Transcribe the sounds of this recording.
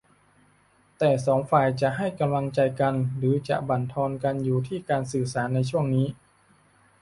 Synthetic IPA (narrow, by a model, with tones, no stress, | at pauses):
t̪ɛː˨˩sɔː˩˦ŋfaː˨˩jt͡ɕa˨˩ʔɦa˥˩jka˧mla˧ŋt͡ɕa˧jka˧nɾɯː˩˦t͡ɕa̰˨˩ʔba˨˩nt̪ʰɔː˧nka˧njuː˨˩t̪ʰiː˥˩kaː˧nsɯː˨˩saː˩˦nːa˧jt͡ɕʰu˥˩əŋniː˦˥